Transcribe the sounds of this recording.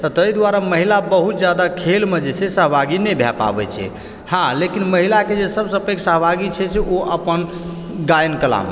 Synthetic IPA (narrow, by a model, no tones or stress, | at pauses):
t̪ət̪əjd̪waɾaməɦilabəɦut̪̚d͡ʒjad̪akʰelmed͡ʒet͡ʃʰɛsəɦbʱaɡinɛbʱjɛpa̰bɛ̰t͡ʃʰɛ̰ | hãlekinməɦilaked͡ʒesəbsəpeksəɦbʱaɡit͡ʃʰɛsɛoʔəpən | ɡajnkəla̰m